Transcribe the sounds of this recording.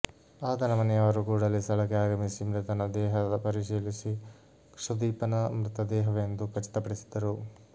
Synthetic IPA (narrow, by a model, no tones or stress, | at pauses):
aːd̪ɐnɐmɐnɛjɐʋɐɾukuːɽɐlːisɐɭɐkeaːɡɐmisimɾɪt̪ɐnɐd̪ɛːɦɐd̪ɐpɐɾiʂiːlisi | kʂɐd̪iːpɐnɐmɾɪt̪ɐd̪ɛːɦɐʋend̪ukɐt͡ʃi̥t̪ɐpɐɽisid̪ɐɾu